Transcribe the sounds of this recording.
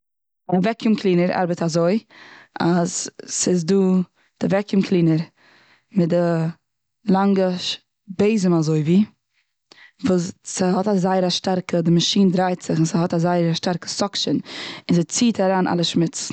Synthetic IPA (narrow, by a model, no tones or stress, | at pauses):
avɛkɪmklˠiːnəɾa̰ɾbətazoɪʔazsɪzduː | d̥ɪvɛkɪmkʰlˠiːnəɾ | mɪdə | lˠaŋɡə | beɪzəmazoɪviː | vuːssəhɔtazaɪəɾaʃtaɾkədɪmaʃiːndɾaɪtz̥ɪχɪnsəhɔtazaɪəɾaʃtaɾkə̥sɔkʃənɪnzɛt͡siːtʰaɾaːnʔa̰lˠəʃmɪt͡s